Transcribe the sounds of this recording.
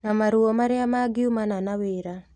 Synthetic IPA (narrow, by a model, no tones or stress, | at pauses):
namaɾuɔmaɾeamaɡɪumananaweːɾa